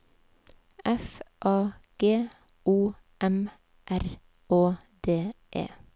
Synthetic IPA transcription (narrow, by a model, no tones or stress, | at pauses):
ɛfʔɑːɡ̥eː | ʔuː | ʔɛm | ʔæɾ | oː | d̪eːʔḛː